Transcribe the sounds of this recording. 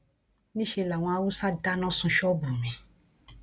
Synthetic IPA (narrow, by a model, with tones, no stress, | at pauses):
nĩ˦ʃe˧la˨w̃ɔ̃˧a˧wu˦sa˦da˦nã˦sũ˧ʃɔ˦bũ˨mĩ˧˦